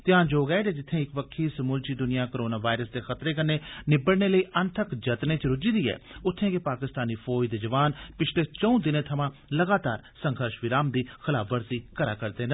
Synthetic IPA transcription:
t̪ɪjãːnd͡ʒoːɡɛːt̪eːd͡ʒɪt̪ʰːẽːɪkʋəkʰːiːsəmuːlt͡ʃiːd̪ʊnɪjaːkːɾoːnaːʋaːɪɾəsd̪eːxət̪ɾeːkənːeːnɪbəɽneːləiːʔənt̪ʰəkd͡ʒət̪nẽːt͡ʃɾʊd͡ʒiːd̪iːɛ̰ːʊt̪ʰːẽːkepaːkɪst̪aːniːpʰoːjd̪eːd͡ʒəʋaːnpɪt͡ʃʰleːt͡ʃə̃ũːd̪ɪnẽːt̪ʰəmãːləɡaːt̪a̰ːɾsə̃ŋɡʱəɾʃʋɪɾaːmd̪iːxʰɪlaːpʰʋəɾsiːkəɾaːkəɾd̪ẽːn

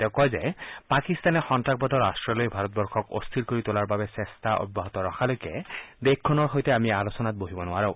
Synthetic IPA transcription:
t̪ɛʊkɔjzepakist̪anɛxɔntak̚bɔt̪ɔɹastɹɔlojbʱaɾɔt̪̚bɔɹkʰɔko̰st̪ʰilkoɾit̪olaɹbabɛsest̪aʔɔ̰bːaɦɔt̪ɔɹɔxʰalojked̪ekʰːɔnɔɹɦojt̪ɛamialosɔnat̪̚boɦibɔnʊaɹaʊ

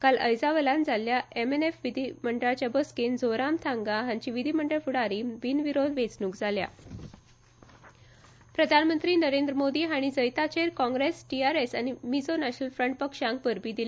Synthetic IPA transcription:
kaləjd͡zaʋəland͡zaljaemenefʋid̪ʱiməɳɖəɭat͡ɕjabəskend͡zoɾamt̪ʰãŋɡaɦãɲt͡ɕiʋid̪ʱiməɳɖəɭfuɽaɾiːbinʋiɾod̪ʋet͡snuːkd͡zʱalja̰ | pɾəd̪ʱanmənt̪ɾiːnəɾẽnd̪ɾəmod̪iːɦaɽ̃id͡zəjt̪at͡ɕeɾkɔ̃ŋɡɾesʈiaɾesañimid͡zonaɕnəlfɾəɳʈ̚pəkʂãŋk̚bəɾbiːd̪ila

